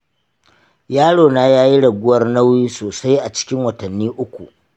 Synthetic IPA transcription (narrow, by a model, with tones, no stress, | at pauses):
jaː˦ɽoː˨naː˦jaː˦ji˦ɽɐ˨ɡʷʊ˦wɐ˦rnɐ˦wjiː˦soː˨sa˦jʔa˨t͡ʃɪ̥˦kʲɪ˦ŋwɐ˨tɐ˨nːiː˦ʔʊ˦kʷṵ˨ʔ